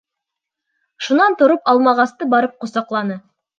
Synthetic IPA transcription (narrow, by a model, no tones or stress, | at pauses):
ʃunɑnt̪ŏɾopɑlˠmɑʁɑst̪ɤbɑɾɤp̚qŏsɑqlˠɑnɤ